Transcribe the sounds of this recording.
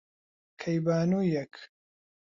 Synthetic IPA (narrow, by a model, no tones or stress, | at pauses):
kʰɐjbaːnujɛk